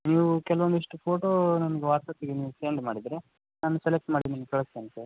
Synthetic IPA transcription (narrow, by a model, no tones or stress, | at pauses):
niːʋukɛlɐʋond̪iʂʈupʰoːʈoːnɐnɐɡeʋaːɾt̪ɐt̪iɡeniːʋuseɳɖmaːɽid̪ɾe | naːnuselek̚ʈmaːɖinɐnkeɭɐseɐnt̪e